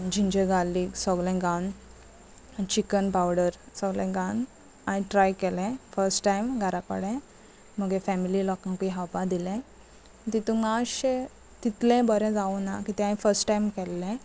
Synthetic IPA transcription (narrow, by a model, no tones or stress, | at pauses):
d͡ʑiɲd͡ʑəɡalːiːksɔɡlɛ̃ɡawn | t͡ɕikənpawɽəɾ | sɔɡlɛ̃ɡawn | aɽ̃ĩʈɾajkɛlɛ̃fəɾsʈʈajmɡʱaɾakə̰ɽɛ̃ | m̤əɡefɛmililɔkãŋpiɦawpad̪ilɛ̃ | t̪it̪umaɕ | t̪it̪lɛ̃bəɾɛ̃d͡zaunakit̪ɛ̃ãĩfəɾsʈʈajmkɛlːɛ̃